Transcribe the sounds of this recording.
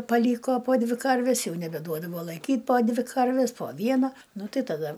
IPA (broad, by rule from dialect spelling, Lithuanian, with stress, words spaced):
pɐˈlʲiːkoː poː ˈdʲʋʲɪ ˈkɐrʲʋʲɛs ˈjɛʊ nʲɛbʲɛˈduɔdɐʋoː lˠɐɪˈkʲiːtʲ poː ˈdʲʋʲɪ kɐrʲʋʲɪs poː ˈʋʲiɛnɐ ˈnʊ ˈtɐɪ tɐˈdɐ